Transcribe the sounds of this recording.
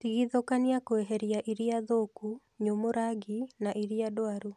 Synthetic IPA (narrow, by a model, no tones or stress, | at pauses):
tiɣiðokaniakoeɦɛɾjaʔiɾiaðoku | ɲomoɾaɡinaʔiɾiadoaɾu